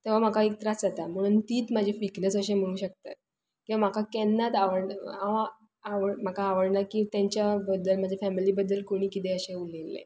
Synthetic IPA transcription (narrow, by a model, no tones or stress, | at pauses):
t̪ɛʋ̤am̤akaek̚t̪ɾat͡sat̪am̤əɽ̃uːnt̪iːt̪mad͡ʑʱefiknəsəɕẽm̤əɽ̃uːɕək̚t̪at̪̚ | kĩwʋam̤akakɛnːat̪aʋəɽaʋa | aʋəm̤akaːʋəɽnakĩt̪jãɲt͡ɕjabəd̪ːəlmad͡ʑʱafæmiliːbəd̪ːəlkoɽ̃iːkit̪ẽəɕẽulelːḛ̃